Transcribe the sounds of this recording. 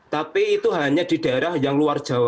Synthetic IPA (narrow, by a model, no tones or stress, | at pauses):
t̪apiːt̪uɦaɲad̪̥i̤d̥aeɾahjaŋluard̥ʒ̥a̤a